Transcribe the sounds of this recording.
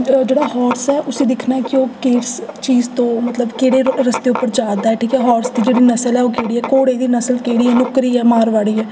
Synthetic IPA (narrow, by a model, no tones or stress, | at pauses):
d͡ʒeːɽaːhɔːɾsɛːʔʊseːd̪ɪkʰnaːɛkɪoːkeːɾst͡ʃiːzt̪õːmət̪ləbkeːɽeːɾəst̪eːʊpːəɾd͡ʒaːd̪aːɛːʈʰiːkɛːɦɔːɾsd̪iːd͡ʒeːɽiːnəsəlɛːoːkeːɽiːɛːkoːɽeːd̪iːnəsəlkeːɽiːɛːnʊkɾiːɛːmaːɾʋaːɽiːɛː